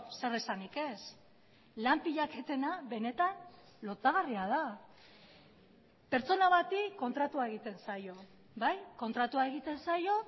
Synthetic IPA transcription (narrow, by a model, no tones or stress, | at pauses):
se̞resanike̞s | lampiʎake̞t̪e̞naβe̞ne̞t̪an | lo̞t̪aɣ̞ariað̞a | pe̞ɾt͡so̞naβat̪ikːo̞nt̪ɾat̪uaeɣ̞it̪e̞nsajo̞ | βajko̞nt̪ɾat̪uae̞ɣ̞it̪e̞nsajo̞